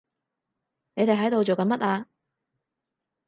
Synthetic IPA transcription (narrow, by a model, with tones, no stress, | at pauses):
ne˨˧jt̪e˨jɦɐ˨˥jt̪o˨wt͡ʃo˨wkɐ˨˧nmɐ˥t̚aː˧